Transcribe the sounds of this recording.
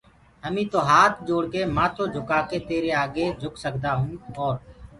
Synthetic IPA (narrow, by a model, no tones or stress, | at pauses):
ɦəmĩːt̪oːɦaːt̪ʰd͡ʒoːɽkeːmãːt̪ʰoːd͡ʒʱʊkaːkeːt̪eːɾeːaːɠeːd͡ʒʱʊksəkd̪aːɦũːoːɾ